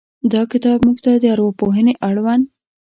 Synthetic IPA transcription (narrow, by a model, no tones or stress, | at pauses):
d̪ɑkɪt̪ɑbmuɡt̪ad̪əaɾwɑpoɦəneʔaɽwan